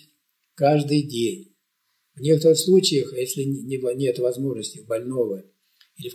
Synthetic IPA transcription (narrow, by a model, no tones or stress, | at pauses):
kaʐd̪ɨjdʲenʲ | vnʲe̞kət̪əɾɨxslˠut͡ɕɪjəxjesʲlʲɪɪnʲe̞t̪vɐzmo̞ʐnəsʲtʲɪbɐlʲno̞və | ilʲɪf